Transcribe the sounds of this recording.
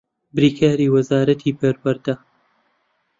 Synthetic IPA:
bɾiːkʰaːɾiːwɐzaːɾɐt̪ʰiːpɐɾwɐɾd̪ɐ

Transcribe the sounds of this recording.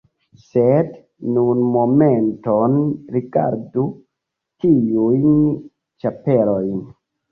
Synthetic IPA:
sed | nunmomentonɾiɡa̰ɾdu | tiujn | t͡ʃapeɾojn

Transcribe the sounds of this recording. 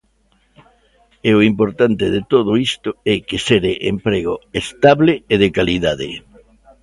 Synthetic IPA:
eʊimpoɾt̪ant̪ɪðet̪oðʊist̪ʊɛkeseɾeʔempɾeɣoest̪aβleːðekaliðaðɪ̰

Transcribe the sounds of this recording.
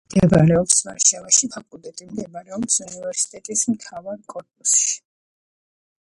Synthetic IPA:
md̪̥ɛvaɾɛɔpsma̰ɾʃavaʃipʰakʼulˠd̪ɛt̪ʼimd̪ɛbaɾɛɔpsunivɛɾsi̥t̪ʼɛt̪ʼismt̪ʰavaɾkʼɔɾpʼusʃi̥

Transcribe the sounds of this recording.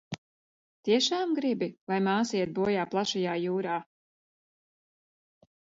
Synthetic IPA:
t̪iɛʃaːmɡɾibilˠajmaːsiːɛt̪̚buɔjaːplˠaʃajaːjuːɾaː

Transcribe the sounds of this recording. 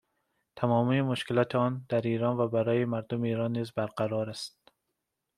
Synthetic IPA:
t̪ʰæmɒːmiːmoʃkelɒːt̪ʰeɒːnd̪̥æɾiːɾɒːnvæbæɾɒːjemæɾd̪omeiːɾɒnːiːzbæɾqæɾɒːɾæst̪̚

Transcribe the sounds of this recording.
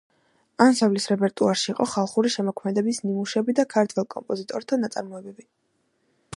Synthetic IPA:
ansavlisɾɛpʼɛɾt̪ʼuaɾʃiːqʼɔχalˠχuɾiʃɛmɔkʰmɛd̪ɛbisnimuʃɛbid̪akʰaɾt̪ʰwɛlˠkʼɔ̰mpʼɔzit̪ʼɔɾt̪ʰanat̪sʼa̰ɾmɔɛbɛbi

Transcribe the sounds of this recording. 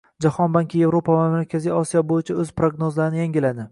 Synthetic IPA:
d͡ʒahɒnbaŋkʲʰɪje̞vɾopʰavamaɾkʲʰaziɒsijɒbojɪt͡ʃʰaɵzpɾo̞ɡnozlaɾɪnɪjaŋɡʲɪlad̪ɪ

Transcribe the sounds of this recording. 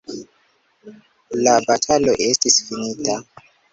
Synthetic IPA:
labatʰaloʔestisfinita

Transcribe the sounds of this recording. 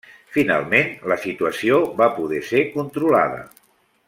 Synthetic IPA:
fina̰lˠmenləsit̪uəsioβapuðɛsekunt̪ɾula̰ðə̰

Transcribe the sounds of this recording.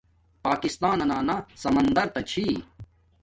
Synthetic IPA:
paːkist̪aːnɐnaːnasɐmɐnd̪ɐɾt̪ɐt͡ɕʰiː

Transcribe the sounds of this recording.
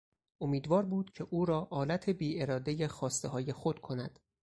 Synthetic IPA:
ʔomiːd̪vɒːɾbuːd̪̥cʰe̞ʔuːɾɒːʔɒːlæt̪ʰe̞biːe̞ɾɒːd̪ejexɒːst̪eɦɒːjexo̞d̪̥kʰo̞næd̪̥

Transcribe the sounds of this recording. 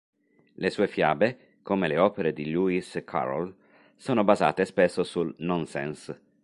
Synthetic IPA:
lesuːefjaːbe | komeleɔːpeɾed̪iluiskʰa̰ɾo̰l | soːnobaza̰ːt̪espesːosulnɔnsɛ̰ns

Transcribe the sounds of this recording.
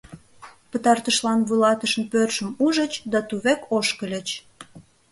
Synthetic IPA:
pət̪ɑrt̪əʃlɑnβujlɑt̪əʃənpørʃəmuʒət͡ɕd̪ɑt̪uβekʰoʃkəlʲə̆t͡ɕ

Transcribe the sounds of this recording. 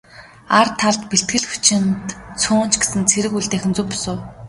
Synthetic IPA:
art̪ʰːaɮt̪peɬt̪̚ɡɘ̆ɮxʊ̥t͡ɕɪ̆nt̪t͡sʰʊːn̥t͡ɕɡesɘ̆nt͡sʰeɾɘ̆kuɮt̪eːxʲɪ̆nt͡sʊmpʊsʊː

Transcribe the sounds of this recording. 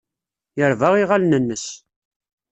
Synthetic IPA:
jəɾvaʁiʁalnənːəs

